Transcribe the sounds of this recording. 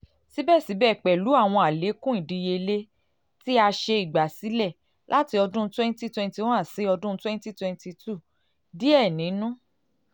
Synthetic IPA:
si˨˦bɛ˦˨si˨˦bɛ˦˨k͡pɛ˨lu˨˦a˦˨w̃ɔ̃˧a˨le˨˦kũ˦ĩ˦˨di˨˧je˧le˦ | ti˦a˧ʃe˧i˨ɡ͡ba˨si˨˦lɛ˦˨ | lʔa˦ti˧ɔ˧dũ˦twɛ̃˦n˦ti˦twɛ̃˧n˦ti˧˦wɔ̃˦a˦˨se˨˦ɔ˧dũ˦twɛ̃˦nti˦twɛ̃˧nti˧tu˦˨ | di˦ɛ˦˨nĩ˨˦nũ˦

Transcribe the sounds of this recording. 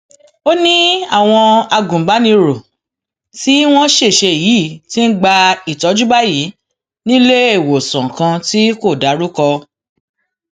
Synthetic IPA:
o˦nĩ˦a˦˨w̃ɔ̃˧a˧ɡũ˨ɡ͡ba˨˦nĩ˧ɾo˨ | ti˦w̃ɔ̃˦ʃe˦˨ʃe˧˨jiː˨˦˨ti˦n̩˦ɡ͡ba˧i˦˨tɔ˨˧˦d͡ʒu˦ba˦jiː˨˦ | nĩ˦le˦e˦˨wo˨sɔ̃˨kã˧ti˦ko˦˨da˨˦ɾu˦kɔ˧

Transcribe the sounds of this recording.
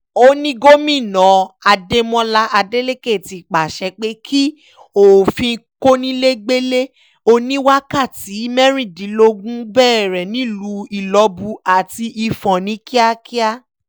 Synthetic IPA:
o˦nĩ˦ɡo˦mĩ˦˨nɔ̃˨˦a˧de˧mɔ̃˧la˧ʔa˧de˦le˦ke˦˨ti˨k͡pa˨ʃɛ˧k͡pe˦kʰi˦ | o˨fĩ˧˦ko˦nĩ˦le˦ɡ͡be˦le˦ | o˧nĩ˦wa˦ka˦˨ti˨˦mɛ˦ɾ̃ĩ˦˨dĩ˨˦lo˧ɡũ˦bɛː˦˨ɾɛ˨nĩ˨˦lu˧˦i˨lɔ˧bu˧a˨ti˧ʔi˧fɔ̃˨nĩ˨˦ki˦a˦ki˦a˦

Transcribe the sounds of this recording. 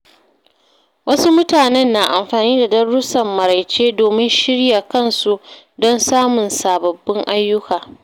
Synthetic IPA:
wɐ˦su˦mʊ˦taː˨nɛ˦nːaː˨ʔa˨mɸaː˨niː˦da˨dɐ˦rɽʊ˦sɐ˨mːɐ˨ɾa˨jt͡ʃeː˦doː˨mɪ˦nʃɪ˦ɽja˨kɐ˦nsu˦ | dɔ˦nsaː˦mʊ˨nsaː˨bɐ˨bːɪ˦ŋʔa˦jːʊ˦kaː˨

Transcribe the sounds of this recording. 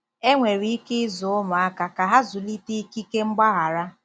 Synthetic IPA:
e˦ŋʷe˨ɾi˨˦i˦kɪ˦ɪ˦zʊ˨ʊ˦mʊ˨a˦ka˨ka˨ɦa˦zʊ˨li˦ti˦i˦ki˦ke˦ŋ͡m̩˦ɡ͡ba˦ɣa˨ɾa˦

